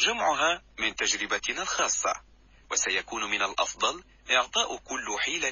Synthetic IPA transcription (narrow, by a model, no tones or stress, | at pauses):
d͡ʒamʕʊɦaːmɪnt̪ad͡ʒɾɪbanalxɑːsˤːɑ̰ | wasajakuːnmɪnalʔɑ̰fd̪ˤɑl | ʔɪʕt̪ˤɑːʔʊkʊlːħiːla